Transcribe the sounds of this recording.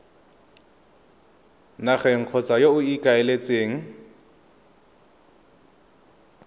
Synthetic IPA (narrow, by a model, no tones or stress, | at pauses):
naχɛŋ̩q͡χʰɔt͡sajoʊikʼaɛlet͡sʼeːŋ̩